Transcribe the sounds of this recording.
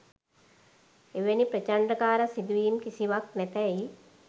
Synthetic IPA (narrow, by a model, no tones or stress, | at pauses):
eʋenipɾət͡ʃaɳpɾəkaːɾəsid̪uʋiːmkisiʋak̚næt̪ɛi